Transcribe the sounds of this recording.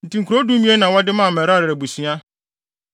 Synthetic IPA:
n̩˨tʰĩ˨ŋ̩kʰu˨ɾo˦du˦mĩ˦e˦nã˨wɔ˦dɪ˦mãː˦˨mɛ˨ɾa˦ɾɪ˨ɾɛ˨bu˨si˦a˦

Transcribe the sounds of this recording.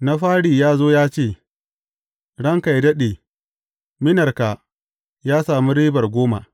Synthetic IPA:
na˦ɸaː˦ɽiː˨jaː˦zoː˦jaː˦t͡ʃeː˦˨ | ɽɐ˦ŋka˨jdɐ˦ɗe˨ | mɪ˦nɐ˨rka˨ | jaː˦saː˨mi˦ɾiː˦bɐ˨rɡʷoː˦ma̰˨

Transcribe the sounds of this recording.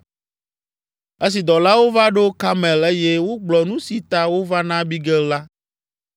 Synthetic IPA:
e˦s̬i˨d̪ɔ˨la˦wo˦va˦ɖo˦ka˦mɛ̃˨le˦je˦wo˦ɡ͡blɔ˨nũ˦si˨t̪a˦wo˦va˦nã˦bi˦ɡɛ˦lla˦

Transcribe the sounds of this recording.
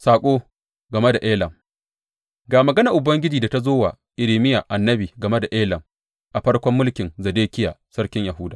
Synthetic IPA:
saː˨kʷʼoː˦ | ɡɐ˨me˦da˨ʔeː˦lɐ˨m | ɡaː˨mɐ˨ɡɐ˦na˨ʔʊ˨bɐ˦ŋɡʲɪ˦d͡ʒiː˨da˨ta˦zoː˦waː˨ | ʔɪ˨ɾiː˨mɪ˦ja˨ʔa˨nːɐ˦biː˨ɡɐ˨me˦da˨ʔeː˦lɐ˨m | ʔa˨ɸɐ˦ɽkʷɔ˦mːʊ˦lkʲɪ˨nzɐ˨deː˦kʲɪ˦ja̰ː˨sɐ˦rkʲɪ˦ɲjɐ˨ɦʊ˦daː˨

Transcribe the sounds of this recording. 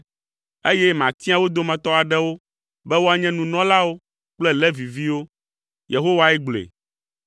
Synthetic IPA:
e˦jɛ˦mã˨t̪i˦a˦wo˦d̪o˦mɛ̃˨t̪ɔ˦a˨ɖɛ˦wo˦ | bɛ˦wo˦a˨ɲɛ̃˦nũ˨nɔ̃˦la˦wo˦ | k͡plɛ˦lɛ˦vi˨vi˦wo˦ | je˨ɦo˦wa˦ɛ˦ɡ͡blḛ˨

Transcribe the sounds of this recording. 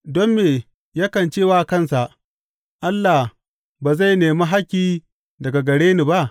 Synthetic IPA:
dɔ˦mːeː˨ | ja˦kɐ˨nt͡ʃeː˦˨waː˨kɐ˦˨nsa˨ʔ | ʔa˦lːa˨h | baː˨za˦˨jneː˨ma˦ɦa˦kʲːiː˦ | dɐ˨ɡa˨ɡɐ˨ɽeː˦ni˨ba˦ʔ

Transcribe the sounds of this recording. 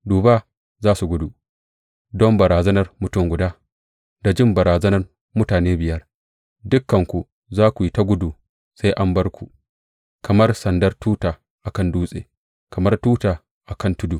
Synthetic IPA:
duː˨baː˦ | zaː˦su˨ɡʷʊ˦du˨ | dɔ˦mbɐ˨ɾaː˨zɐ˦nɐ˨rmʊ˨tʊ˦ŋɡʷʊ˨daː˦ | da˨d͡ʒɪ˦˨mbɐ˨ɾaː˨zɐ˦nɐ˦r | mʊ˦taː˨neː˦bɪ˨jɐ˦r | dʊ˦kːɐ˨ŋkʷu˨ | zaː˦kʷu˨ji˦ta˦ɡʷʊ˦duː˨ | sa˦jʔa˦mbɐ˦rkʷu˨ | kɐ˨mɐ˦rsɐ˨ndɐ˦rtuː˦taː˨ | ʔa˨kɐ˦nduː˦sʼḛː˨ | kɐ˨mɐ˦rtuː˦taː˨ | ʔa˨kɐ˦ntʊ˦duː˨

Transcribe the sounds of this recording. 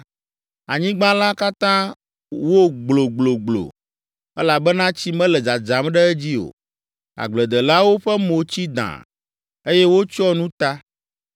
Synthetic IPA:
a˨ɲĩ˦ɡ͡bã˦la˦ka˦t̪ã˦ | wo˦ɡ͡blo˨ɡ͡blo˨ɡ͡blo̰˨ | ɛ˦la˨bɛ˦nã˦t͡ɕi˦mɛ̃˦lɛ˨d͡za˨d͡ʒa˨mɖɛ˦ɛ˦d͡ʑi˦o̰˨ | a̰˨ɡ͡blɛ˨d̪ɛ˨la˦wo˦ɸɛ˦mo˨t͡ɕi˦d̪ã̰˨ | e˦jɛ˦wo˦t͡ʃɔ˦nũ˦t̪a˦

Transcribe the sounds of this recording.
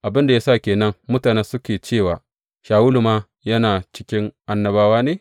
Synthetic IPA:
ʔa˨bɪ˦nda˨ja˦sa˦˨kʲeː˨nɐ˦ŋmʊ˦taː˨ne˦nsʊ˦kʲeː˨t͡ʃeː˦˨waː˨ | ʃaː˨wʊ˦lu˨maː˦ | jɐ˦naː˨t͡ʃɪ̥˦kʲɪ˦ŋʔa˦nːɐ˨baː˦waː˦neː˨

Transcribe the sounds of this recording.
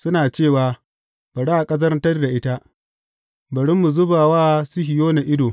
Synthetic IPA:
sʊ˦naː˨t͡ʃeː˦˨waː˨ | b̥ɐ˨ɽa˦ʔa˨kʼɐ˦zɐ˦rtɐ˦rda˨ʔɪ˦ta˦ʔ | bɐ˨ɽɪ˦mːu˨zʊ˦baː˨waː˦sʊ˦hɪ˨joː˦na˨ʔɪ˦doː˨

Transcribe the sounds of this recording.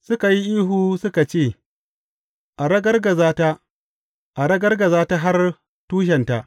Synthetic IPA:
sʊ˦ka˨ji˦ʔiː˦ɦuː˨sʊ˦ka˨t͡ʃeː˦˨ | ʔa˨ɽɐ˦ɡɐ˦rɡɐ˨zaː˦ta˦ | ʔa˨ɽɐ˦ɡɐ˦rɡɐ˨zaː˦ta˦ɦa˦r | tuː˦ʃ̬ɛ˨nta˨ʔ

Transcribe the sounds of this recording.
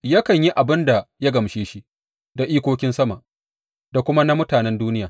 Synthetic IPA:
jɐ˦kɐ˨ɲji˦ʔa˨bɪ˦nda˨ja˦ɡɐ˨mʃeː˦ʃi˦ | da˨ʔiː˦kʷoː˦kʲɪ˦nsɐ˦ma˨ʔ | da˨kʷʊ˦ma˦na˦mʊ˦taː˨nɛ˦nduː˦nɪ˦jaː˨

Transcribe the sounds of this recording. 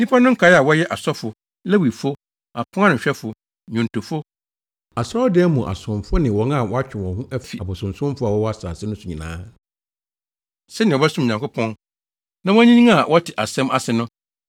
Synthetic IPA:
nĩ˦pʰa˦nʊ̃˦ŋ̩˦kʰa˨˦ja˨wɔ˦jɛ˦ʔa˨sɔ˦fʊ˨ | lɛ˦wi˨fo˦ | a˨pʰʊ̃˦a˦nʊ̃˨ɕᶣɛ˦fʊ˨ | ɲũ˨n˨to˨fo˦ | a˨sɾɔ˦dɪ˦ɛ˦mũ˨ʔa̰˨sʊ̃˨mfʊ˦nɪ̃˨wɔ̃˨˦ŋa˨wɔ˦a˦t͡ɕᶣɪ˨wɔ̃˨hʊ̃˦ʔæ˦fi˨a˨bʊ˨sʊ̃˨n̩˨sʊ̃˦mfʊ˦a˨wɔ˦wɔ˦a˦saː˨sɪ˦nʊ̃˦sʊ˨ɲĩ˨nã̰ː˦ | sɛ˦nɪ̃˨ɔ˨ba˦sʊ̃˦m˨ɲã˨ŋkʊ˦pʰɔ̃˦n | nã˦wɔ˦ɲĩ˦nĩ˦a˨wʔɔ˦tʰɪ˨ʔa̰˨sɛ̃˦ma˨sɪ˨nʊ̃˦

